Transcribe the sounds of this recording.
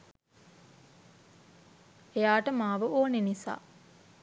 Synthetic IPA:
ejaːʈəmaːʋəʔoːnenisa̰ː

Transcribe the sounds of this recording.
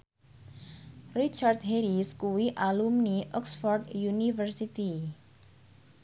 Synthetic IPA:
rit͡ʃard̪ɦeɾiskuwiʔalumniʔɔksfɔrdjunivərsit̪i

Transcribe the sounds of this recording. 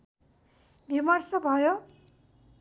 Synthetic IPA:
bʱimʌrsʌbʱʌjo

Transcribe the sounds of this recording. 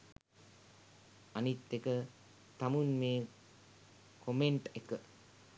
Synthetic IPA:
anit̪ːekə | t̪amunmeː | kʰomeɳʈekə

